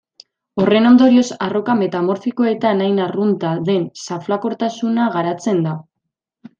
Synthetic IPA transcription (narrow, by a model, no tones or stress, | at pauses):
o̞re̞no̞nd̪o̞ɾio̞saro̞kame̞t̪amo̞ɾfiko̞e̞t̪anajnarunt̪aðe̞nsaflako̞ɾt̪asunaɣaɾat͡se̞nd̪a